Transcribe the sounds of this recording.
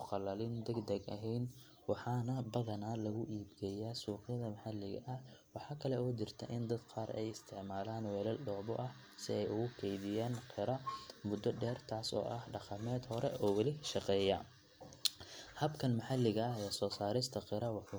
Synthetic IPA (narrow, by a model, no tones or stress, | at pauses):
ʊqɑlɐlɪnd̪ɛɡd̪ɐɡɐ̰ɦɛjn | wɑħɑːnɐbɐðɐnaːlɐɣʊʔiːbɡɛjaːsuːqjɐðɐmɐħalːɪɣɐ̰ʔɐwɑħɑːkʰɐlɛɔːt͡ʃɪrt̪ʰɐ̰ʔɪnd̪ɐd̪qʰɑːɾɛ̰jɪst̪ʰɪʕmaːlaːnwɛːlɐlɖɔːbɔ̰ʔɐh | sɪɛjʊɣʊkʰɛjðɪjaːnqʰɪɾɐmʊd̪ːɔɖɛːrt̪ʰaːsɔ̰ːʔɐhɖɑqɑmɛːd̪hɔɾɛʔɔːwɑlɪʃɑqɛːjɐ | hɐbkʰɐnmɐħalɪɣɐɐɦɛːsɔːsaːɾɪst̪ʰɐqɪɾɐwɑħu